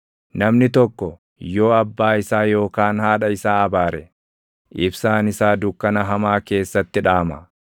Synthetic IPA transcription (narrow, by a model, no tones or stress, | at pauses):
nɐmnɪt̪ɔkːɔ | jo̞ːɐbːaːɪsaːjo̞ːkaːnhaːᶑɐɪsaːɐbaːɾɛ | ʔɪbsaːnɪsaːd̪ʊkːɐnɐɦɐmaːke̞ːsːɐt̪ːɪᶑaːmɐ